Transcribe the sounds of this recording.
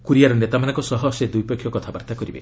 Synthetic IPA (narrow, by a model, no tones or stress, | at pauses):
kuɾijaɾɔnet̪amanɔŋkɔsɔɦɔsed̪ujpɔkʰːjɔkɔt̪ʰabaɾt̪akɔɾibḛ